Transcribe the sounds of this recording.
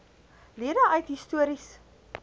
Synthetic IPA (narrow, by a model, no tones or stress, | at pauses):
liədəʔœɥtɦistuəɾis